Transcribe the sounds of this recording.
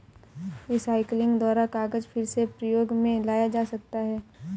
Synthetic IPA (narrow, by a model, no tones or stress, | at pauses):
ɪsaːɪklɪ̃ŋɡd̪waːɾakaːɡəd͡ʒpʰɪɾsepɾəjoːɡmẽlaːjad͡ʒaːsɐk̚t̪aɦɛː